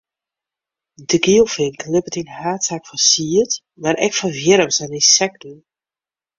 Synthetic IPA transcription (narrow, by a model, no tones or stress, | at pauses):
dəɡilˠfɪŋklɪpətinhaːtsakfɔsiət | maɾʔɛ̰kfɔvjɪɾəmsanisɛk̚t̩